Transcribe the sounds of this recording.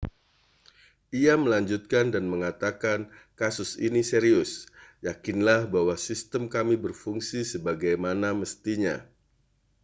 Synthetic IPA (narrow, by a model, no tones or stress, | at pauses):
ʔiaməlaɲd͡ʒut̪̚kandanməŋat̪akan | kasʊsiniseɾiʊsjakinlahbawasist̪əmkamibərfuŋsisəbaɡajmanaməst̪iɲa̰